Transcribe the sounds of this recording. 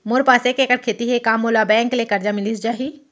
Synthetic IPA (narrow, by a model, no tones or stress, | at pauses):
moɾpaːsekekəɾkʰeːt̪iɦekaːmolabɛ̃ːŋkleːkɐɾd͡ʒamɪlisd͡ʒaːɦi